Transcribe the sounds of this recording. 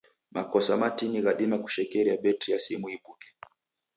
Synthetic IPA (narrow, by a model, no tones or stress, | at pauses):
makɔsamatiniɣaɗimaku̥ʃɛkɛɾiaɓɛtijasimuiɓukɛ̥